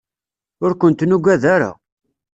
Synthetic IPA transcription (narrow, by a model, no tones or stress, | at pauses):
ʊɾkʷənt̪nuɡʷæðaɾa̰